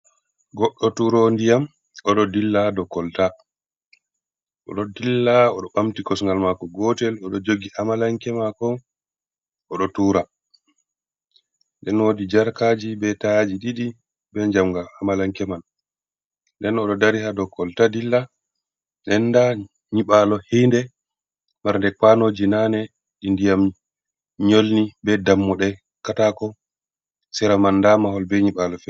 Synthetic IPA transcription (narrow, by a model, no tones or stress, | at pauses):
ɡɔɗːɔtuɾondijam | ɔɗɔdilːadɔkːɔlta | ʔɔ̰ɗɔdilːaɔɗɔɓamtikɔsŋɡalmakɔɡɔtɛlɔɗɔd͡ʒoɡiʔamalaŋkɛmakɔ | ʔɔɗɔtuːɾa | ndɛnwodid͡ʒaɾkaːd͡ʒibɛtad͡ʒiɗiɗi | bɛɲd͡ʒamɡahamalaŋkɛman | dɛnɔɗɔdaɾihadɔkːɔltadilːa | ɗɛnːda | ɲiɓalɔhindɛ | maɾndɛkanoːd͡ʒinaːnɛ | ɗindijam | ɲolnibɛdamːɔɗɛ | katakɔ | sɛɾamanːdamaɦɔlbɛɲiɓalɔfɛ